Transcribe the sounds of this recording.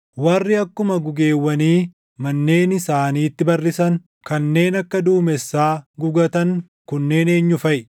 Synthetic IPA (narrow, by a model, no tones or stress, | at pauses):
wɐrːɪɐkːʊmɐɡʊɡe̞ːwːɐniː | mɐnːe̞ːnɪsaːniːt̪ːɪbɐrːɪsɐŋ | kɐnːe̞ːnɐkːɐd̪uːmɛsːaːɡʊɡɐt̪ɐŋ | kʊnːe̞ːne̞ːɲːʊfɐʔ